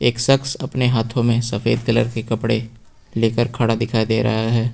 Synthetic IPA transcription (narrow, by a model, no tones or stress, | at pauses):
eːksɐksɐpneɦaːt̪ʰõmẽsɐfḛːd̪kɐlə̰ɾkekɐpɽe | leːkəɾkʰaɽad̪ɪkʰaːid̪eːɾɐ̰ɦaɦɛː